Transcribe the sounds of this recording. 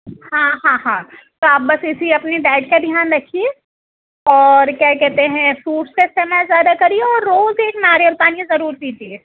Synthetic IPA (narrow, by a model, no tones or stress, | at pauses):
hãɦãɦãː | t̪oaːp̚bɐsɪsiɐpneɖɛːʈ̚kad̪ʱjaːnɾɐkʰie | ɔːɾkjaːkɛɦt̪eɦɛ̃fɾuːʈskeɪst̪emɛːzjaːd̪akɐɾieɔːɾːoːzeːknaːɾjəɾt̪aːnijẽzɐɾuːɾt̪iːt̪ie